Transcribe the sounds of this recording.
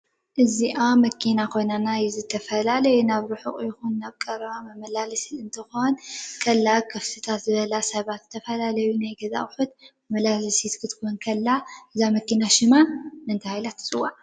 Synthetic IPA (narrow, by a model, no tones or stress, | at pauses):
ʔɨziʔamɐkʰinakʰo̞jnanajɛzɨt̪ʰːɐfɐlalɐjunaβɾuħuχʼjixunːaβkʼɐɾɐβamɐmɐlalisilɨnt̪ʰɨxonkʰɐlːakʰɨfsɨt̪ʰat̪zɨβɐlasɐβat̪zɨt̪ʰːɐfɐlalɐjunajɡɐza̰χʼħut̪ | mɐlalɐsit̪kʰɨt̪konkʰɐlːaʔɨzamɐkinaʃɨmamɨnt̪ʰajlat̪ʰːɨ̥t͡sʼɨwːaʕ